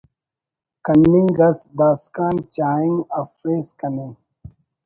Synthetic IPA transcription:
kɐnːĩŋɡɐsbaːskaːnt͡ɕaːĩŋɐfɾeːskɐnẽ

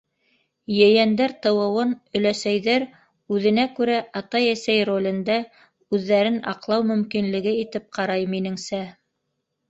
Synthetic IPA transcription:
jɘ̆jænd̪æɾt̪ɤ̆wɤ̆wɤnɵ̆læsæjðæɾ | ʉðɘ̆nækʉɾæʔɑt̪ɑjæsæjrolʲɘ̆nd̪æ | ʉðːæɾɘnɑ̰qlˠɑwmɵ̆mkinlɘ̆ɡɘit̪ɘp̚qɑɾɑjminɘ̆ŋsæ

